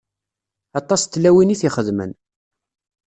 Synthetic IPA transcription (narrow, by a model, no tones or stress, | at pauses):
ɑt̪ˤɑst̪ːlæwiniθiχəðmə̰n